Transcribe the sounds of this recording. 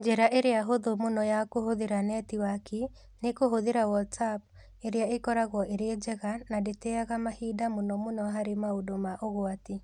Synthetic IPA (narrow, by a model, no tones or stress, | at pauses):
d͡ʒɛɾaʔeɾeaɦoðomonɔjakohoðeɾanɛtiwaki | nekoɦoðeɾawɔtsap̚ | eɾeaekɔɾaɣɔʔeɾed͡ʒɛɣanadetɛaɣamahidamonɔmonɔaɦaɾemaodomaʔoɣwati